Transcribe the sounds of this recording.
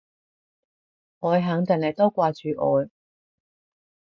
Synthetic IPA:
ʔɔː˨˧jɦaː˨˥ŋt͡s̪ɪ˨˩ŋlɐ˨˩jt̪oː˥kʷaː˧t͡ʃyː˨˧ʔɔ̰ː˨˧j

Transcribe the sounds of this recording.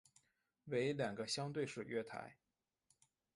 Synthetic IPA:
we˧˥ɪljɑ˨˩ŋɡə˦ɕjɑ˥ŋt̪we˥˧ɪʂɻ̩˥˩ɥɛ˥t̪ʰa̰˧˥ɪ

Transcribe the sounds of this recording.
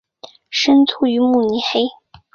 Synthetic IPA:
ʂə˥nt͡sʰu˥˩y˧˥mu˥˩ni˧˥xe˥ɪ

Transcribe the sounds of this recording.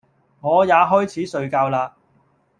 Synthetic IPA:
ŋɔː˨˧jaː˨˧ɦɔː˥jt͡sʰiː˨˥sɵ˨˧ɥkaː˧wlaː˧

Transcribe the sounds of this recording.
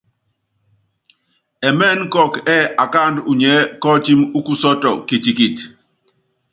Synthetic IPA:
ɛ˨mɛ˦˨n̩˦kɔ˦˨kɛ˦˨a˨ka˦˨ndu˨ɲɛ˨˦kɔ˦ti˦mu˦ku˦sɔ˦tɔ̰˨ki˨ti˨ki˨t

